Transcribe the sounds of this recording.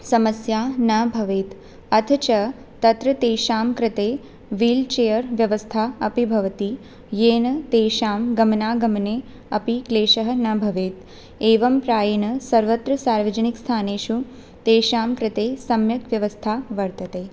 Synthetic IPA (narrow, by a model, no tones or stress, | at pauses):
sɐməsjaːnɐbʱɐʋet̪ | ɐt̪ʰt͡ʃɐ | t̪ɐt̪ɾɐt̪eːʃaːmkɾɪt̪eː | ʋiːlt͡ʃejəɾʋjɐʋəst̪ʰaɐpibʱɐʋt̪i | jeːnɐt̪eːʃaːmɡɐmnaːɡɐmne | ɐpikleːʃəɦənɐbʱɐʋeːt̪ | eːʋɐmpɾaːjɐnɐsɐɾʋət̪ɾɐsaːɾʋɐd͡ʒənikst̪ʰaːneːʃũ | t̪eːʃaːmkɾɪt̪eːsɐmjɐt̪ʋjɐʋəst̪ʰaʋɐɾt̪ɐt̪eː